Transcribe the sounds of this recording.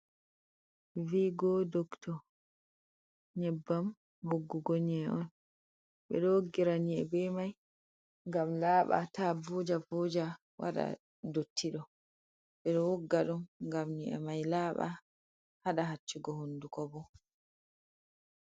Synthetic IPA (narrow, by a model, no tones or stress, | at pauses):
viːɡɔdoktɔ | ɲɛbːam | hoɡːuɡɔɲɛʔɔn | ɓɛ̰ɗɔwoɡːiɾaɲiɛ̰bɛmaj | ŋɡamlaːɓa̰tabod͡ʒabɔːd͡ʒa | wa̰ɗa̰ | dotːiɗɔ | ɓɛɗɔwoɡːaɗumŋɡamɲiʔɛ̰majlaːɓa̰ | haɗaɦat͡ʃːuɡɔhundukɔbɔ